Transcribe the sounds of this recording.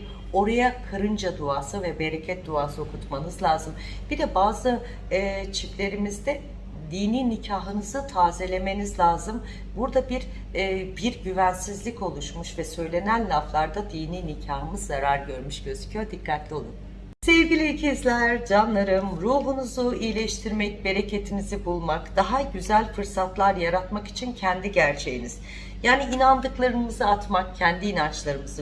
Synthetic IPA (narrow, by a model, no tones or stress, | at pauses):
o̞ɾajakʰaɾɯnd͡ʒad̪uaːsɯvɛbe̞ɾecʰɛt̪̚d̪uaːso̞kʰut̪manɯzlʲˠaːzɯm | bid̪ɛbaːzɯ | t͡ʃʰiflʲe̞ɾimizd̪ɛ | d̪iːniːnicʰaːɦɯnɯzɯt̪ʰaːzelʲe̞me̞nizlʲaːzɯm | buɾd̪abiɾː | biɾɟyvænsizlʲico̞lˠuʃmuʃvɛsø̞jlʲe̞nænʲlʲaflˠaɾd̪ad̪iːniːnicʰaːɦɯmɯzːaɾaɾɟø̞ɾmyʃɟ̥ø̞zycʰyjo̞ɾd̪ikʰːat̪lʲio̞lˠun | se̞vɟilʲicʰizlʲæɾd͡ʒanlˠaɾɯmɾuːɦunuzuijlʲɛʃt̪ʰiɾmɛc̚be̞ɾe̞ce̞t̪ʰimizibulˠmakd̪̥aɦaɟyzælʲfɯɾsat̪lˠaɾjaɾat̪maki̥t͡ʃʰincʰɛnd̪iɟæɾt͡ʃʰe̞jiniz̥ | jaːniinand̪ɯklˠaɾɯmɯzɯat̪makcʰɛnd̪iːnant͡ʃlˠaɾɯmɯzɯ